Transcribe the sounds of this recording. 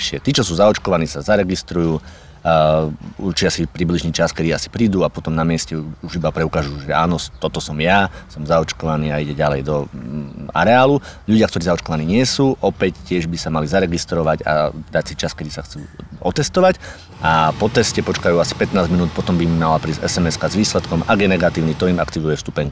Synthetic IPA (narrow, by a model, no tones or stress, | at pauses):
ʃɪɛt̪iːt͡ʃɔsuːzaɔt͡ʃkɔʋaniːsazaɾɛɡist̪ɾujuː | uɾt͡ʃiasipɾibliʒniːt͡ʃaskɛd̪iːasi̥pɾiːd̪uːapɔt̪ɔmnamɪɛscɛuʒibapɾɛukaːʒuʒɛa̰ːnɔst̪ɔt̪ɔsɔmjasɔmzaɔt͡ʃkɔʋaniːaiɟɛɟalɛjd̪ɔ | a̰ɾɛaːluʎuɟɪakt̪ɔɾiːzaɔt͡ʃkɔʋaniːɲɪɛsuːʔɔpɛccːɪɛʒbisamalizaɾɛɡist̪ɾɔʋaɟa̰d̪acsit͡ʃaskɛd̪isaxt͡suːɔt̪ɛst̪ɔʋac | ʔapɔt̪ɛscɛpɔt͡ʃkajuːasi̥pɛt̪naːzɟminuːt̪̚pɔt̪ɔmbimːalapɾiːzɛ̰sɛmɛskazʋiːslɛt̪kɔmaɡjɛnɛɡat̪iːʊnit̪ɔimakt̪iʋujɛfst̪u̥pɛɲ